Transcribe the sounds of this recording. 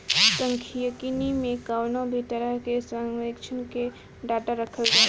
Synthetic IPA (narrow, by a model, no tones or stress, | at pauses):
səŋkʰijəkinimekawnobʱit̪əɾəɦkesaŋɡʋekt͡ʃʰənke | ɖaʈaɾəkʰəld͡ʒa